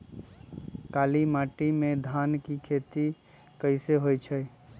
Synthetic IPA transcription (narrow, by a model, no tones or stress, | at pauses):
kalimaʈimed̪ʱankikʰet̪i | kəɪseɦojt͡ʃʰəj